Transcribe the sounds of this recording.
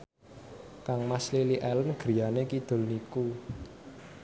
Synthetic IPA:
kaŋmasliliʔɛlənɡ̥əɾijanekid̪̥o̤ʊ̤lniku

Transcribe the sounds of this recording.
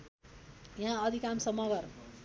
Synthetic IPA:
jãʌd̪ʱikamsʌmʌɡʌr

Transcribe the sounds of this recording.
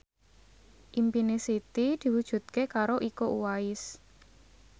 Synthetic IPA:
ʔimpinesit̪id̪̥i̤wud̥ʒ̥ṳt̪̚kekaɾoʔikoʔuwaɪs

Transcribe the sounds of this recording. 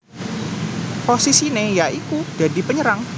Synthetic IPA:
posisinejaikud͡ʒ̥adipəɲəɾaŋ

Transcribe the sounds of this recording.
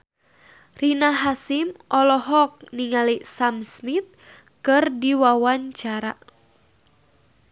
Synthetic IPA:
rinaɦasimʔɔlɔɦɔk̚niŋalisamsmit̪̚ | kɨrdiwawaɲt͡ʃaɾa̰

